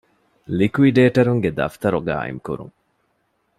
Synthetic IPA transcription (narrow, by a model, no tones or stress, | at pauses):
likuiɖeːʈɐɾuŋɡed̪ɐ̰ft̪ɐɾoɡa̰ːḭŋkṵɾṵŋ